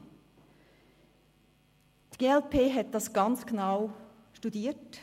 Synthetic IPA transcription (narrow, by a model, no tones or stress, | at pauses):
d̥ɡ̥eːɛlpʰeːɦɛt̪̚d̥ɑsɡ̥ɑnt͡sɡ̥naʊ | ʃtudiːt